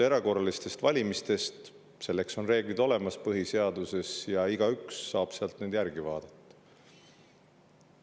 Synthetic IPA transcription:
e̞ɾɑko̞rɑlist̪e̞st̪vɑlʲimist̪e̞st̪ | se̞lːe̞kso̞nre̞ːɡ̥lid̪̥o̞le̞mɑspɤɦise̞ɑd̪̥use̞sjɑiɡ̥ɑyksːɑːb̥seɑlt̪ned̪jæɾɡ̥ivɑːd̪̥ɑt̪ːɑ̥

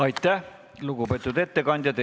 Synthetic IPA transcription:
ɑit̪ːˑæ | lukupet̪ʲːˑut̪et̪ːekɑnʲd̪̥ʲjɑt̪e

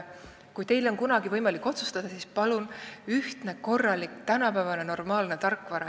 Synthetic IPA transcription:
kujt̪e̞jlo̞nkunɑɡ̥ivɤjmɑlikːˑo̞t̪su̥st̪ɑd̪̥ɑsiːspɑlunyht̪ne̞ko̞rːɑlʲikt̪ænɑpæːvɑne̞no̞rmɑːlne̞t̪ɑrkːˑvɑɾɑ

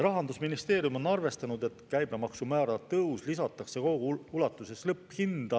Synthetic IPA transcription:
ɾɑɦɑnd̪usminist̪e̞ːɾjumo̞nːɑrve̞st̪ɑnud̪̥e̞t̪kæjb̥emɑksumæːɾɑt̪ɤwslisɑt̪ːˑɑkse̞koɡuulɑt̪ːˑuse̞slɤpːˑhind̪̥ɑ

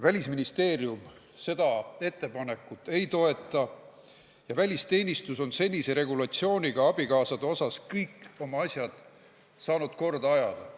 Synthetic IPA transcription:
vælʲisminist̪e̞ːɾjum | se̞d̪̥ɑe̞t̪ːˑe̞pɑne̞kˑːut̪ːˑe̞jt̪o̞e̞t̪ˑːɑ | jɑvælʲist̪e̞ːnʲist̪uso̞nse̞nʲise̞ɾe̞ɡulɑt̪sio̞ːnʲiɡ̥ɑɑb̥ikɑːsɑd̪eo̞sɑskɤjkːo̞mɑɑsʲjɑd̪̥ | sɑːnud̪̥ko̞rd̪ɑɑjɑd̪̥ɑ

